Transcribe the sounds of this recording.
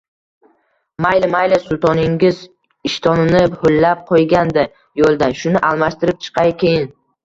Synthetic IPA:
majlɪmajlɪsʊlˠt̪ʰɒnɪŋɡʲɪz | ɪʃt̪ʰɒnɪnɪholːap̚qʰojɡʲand̪a | jolˠd̪anʃʊnɪʔalˠmaʃt̪ɪɾɪp̚t͡ʃʰɨ̥qʰɑjkʲʰejɪn

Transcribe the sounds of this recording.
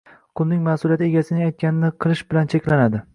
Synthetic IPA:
qʰʊlˠnɪŋmasʊlijat̪e̞ɡʲasɪnɪajt̪̚kʲanɪnɪqʰɨlˠɪʃbɪlant͡ʃʰekʲlanad̪ɪ

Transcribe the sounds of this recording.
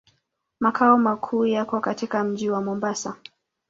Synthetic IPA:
makʰaɔmakʰuːjakɔkatikam̩ʄiwamɔmbasa

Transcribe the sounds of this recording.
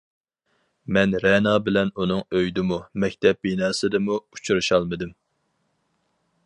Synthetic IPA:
mɛnɾɛnɑːbɪlɛnunɨŋøjd̪ɪmumɛkʲt̪ʰɛp̚binɑːsɨd̪ɨmuu̥t͡ʃʰuɾɨʃɑlˠmɨd̪ɨm

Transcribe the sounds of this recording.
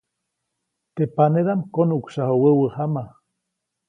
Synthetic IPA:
t̪epaneɾamkonuksahowəwəhama

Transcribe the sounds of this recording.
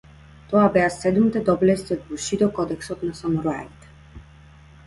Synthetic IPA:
t̪ɔabɛasɛd̪mit̪ɛd̪ɔblɛst̪ʲiɔd̪̚buʃid̪ɔkɔd̪ɛksɔt̪nasamɔɾɔaɛt̪ɛ̥

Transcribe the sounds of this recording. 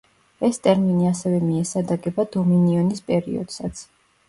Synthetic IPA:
ɛst̪ʼɛɾminiasɛvɛmiɛsad̪aɡɛbad̪ɔminiɔnispʼɛɾḭɔ̰d̪̥sat̪sʰ

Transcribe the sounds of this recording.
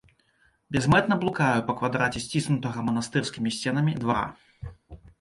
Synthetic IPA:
bʲɛzmɛt̪nɐblˠukajupɐkvad̪ɾat͡sʲɛsʲt͡sʲisnut̪ɐɣɐmɐnast̪ɨrskʲimʲisʲt͡sʲɛnɐmʲid̪vaɾa̰

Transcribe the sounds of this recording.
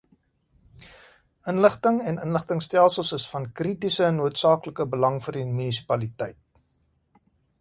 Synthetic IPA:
ənləχtəŋɛnənləχtəŋstælˠsəlˠsəsfɐnkritisənuətsɑːkləkəbəlɐŋfərdimynis̬i̥pɐlitɛjt̚

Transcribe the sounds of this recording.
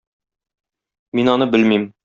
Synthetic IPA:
minɒnɤbɘlmim

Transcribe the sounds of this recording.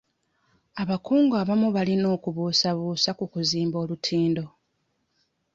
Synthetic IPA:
aβakuːŋɡaːβamuβalino̞ːkuβuːsaβuːsakukuziːmbo̞ːlutʰiːndo̞

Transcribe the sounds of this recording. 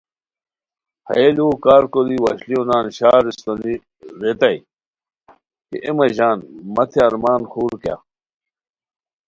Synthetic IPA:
hɐ̰eluːkaːɾkoliwɐɕlionaːnɕaːɾist̪oni | ɾet̪ɐj | kḛʔemɐʑaːnmɐt̪ʰeɐɾmaːnxuːɾkja̰

